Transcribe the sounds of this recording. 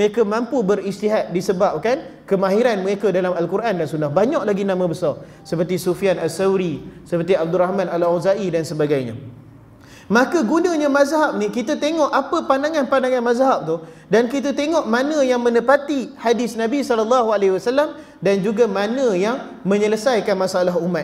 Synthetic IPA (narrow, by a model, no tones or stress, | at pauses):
məɾekamãmpubəɾist̪iɦat̪̚disəbap̚kankəmaɦiɾanməɾekadalamalkuɾʔandansunahbaɲaʔlaɡinãmãbəsɑr | səpərt̪isufianasawɾisəpərt̪̬iab̚durɾahmãnalozaʔidansəbaɡajɲa̰ | makaɡunəɲamazɦap̚nikit̪ət̪eŋɔʔapəpandaŋanpandaŋãnmazɦap̚t̪uh | dankit̪̬ət̪eŋɔʔmanə̃jaŋmə̃nəpat̪ihadɪsnabisɔlɔlːɑɦualeɦiwasalːam | dand͡ʒuɡamanə̃jaŋ | mə̃ɲələsajkanmasaalaɦumat̪̚